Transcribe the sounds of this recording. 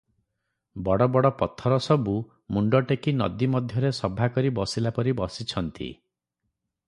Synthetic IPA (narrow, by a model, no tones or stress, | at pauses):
bɔɽɔbɔɽɔpɔt̪ʰɔɾɔsɔbu | muɳɖɔʈekinɔ̰d̪imɔd̪ʱjɔɾesɔbʱakɔɾibɔsilapɔɾibɔsit͡ʃʰɔnt̪ḭ